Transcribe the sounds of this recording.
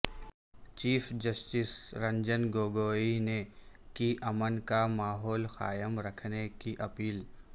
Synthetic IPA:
t͡ʃiːfʰd͡ʒɐsʈɪsɾɐ̃ɲd͡ʒənɡoːɡoːinekiʔɐmənkamaːɦɔːlxaːjəmɾɐkʰnekiʔɐpiːl

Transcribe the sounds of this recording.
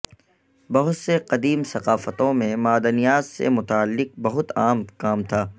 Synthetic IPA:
bɐɦʊt̪seqɐd̪iːmsɐqaːfət̪õmẽmaːd̪ənijaːt̪sḛmʊt̪aːəlːɪq̚bɐɦʊt̪aːmkaːmt̪ʰaː

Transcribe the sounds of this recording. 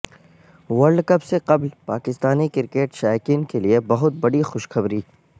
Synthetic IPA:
ʋɐɾɖkɐpseqɐblpaːkɪst̪aːnikɪɾkeːʈʃaːjkiːnkeliebɐɦʊt̪̚bɐɽixʊʃxɐbɾiː

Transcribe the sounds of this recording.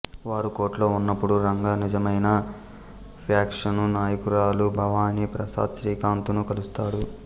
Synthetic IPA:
ʋaːɾuko̞ːʈlo̞ːunːɐpːuɽuɾɐŋɡaːnid͡ʒɐmɐjnɐ | ɾjaːkʂɐnunaːjɐkuɾaːlubʱɐʋaːnipɾɐsa̰ːd̪ʃɾiːkaːnt̪unukɐlust̪aːɽu

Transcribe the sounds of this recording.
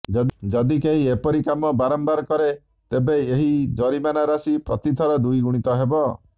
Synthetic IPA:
d͡ʒɔd̪d͡ʒɔd̪ikeɦiepɔɾikamɔbaɾɔmbaɾɔkɔɾe | t̪ebeeɦid͡ʒɔɾimanaɾasipɾɔt̪it̪ʰɔɾɔd̪ujɡuɽ̃it̪ɔɦebɔ

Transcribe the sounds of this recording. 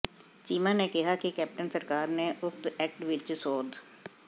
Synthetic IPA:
t͡ʃiːmãːneːkɪɦaːkɪkɛːp̚ʈənsəɾkaːɾneːʔʊkt̪ɛːk̚ʈʋɪt͡ʃsoːd̪

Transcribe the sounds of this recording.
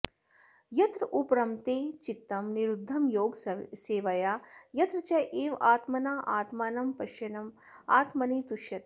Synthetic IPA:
jɐt̪ɾupɾɐmt̪eːt͡ʃit̪ːɐmniɾud̪ʱːɐmjoːɡseːʋɐjaːjɐt̪ɾɐt͡ʃɐjʔeːʋaːt̪mɐnaːʔaːt̪maːnɐmpɐʃjɐnɐm | aːt̪mɐniːt̪uʃjɐt̪

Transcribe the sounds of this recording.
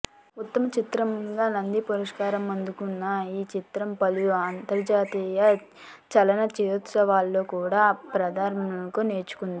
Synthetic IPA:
ut̪ːɐmɐt͡ʃit̪ɾɐmɡaːnɐnd̪ipuɾɐʂkaːɾɐmɐnd̪ukunːɐiːt͡ʃit̪ɾɐmpɐlujuaːnt̪ɐɾd͡ʒaːt̪iːjɐ | t͡ʃɐlɐnɐt͡ʃit̪sɐʋaːlːo̞ːkuːɽaːpɾɐd̪ʱaːɾɐɳɐŋkoːne̞ːɾt͡ʃu̥kund̪i

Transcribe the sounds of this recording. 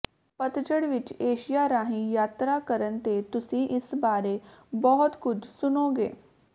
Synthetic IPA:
pət̪t͡ʃəɽʋit͡ɕeɕijaɾaɦijat̪ɾakəɾənt̪et̪usiːʔisbaɾebɔɦut̪kut͡ɕsunoɡḛ

